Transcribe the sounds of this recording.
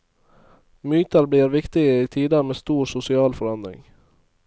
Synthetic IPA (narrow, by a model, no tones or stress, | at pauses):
myːt̪əɾbliːɾʋɪkt̪ɪɡəiːt̪ʰiːd̪əmeːst̪uːɾsʊsɪɑːlfɔɾɑnd̪ɾɪ̰ŋ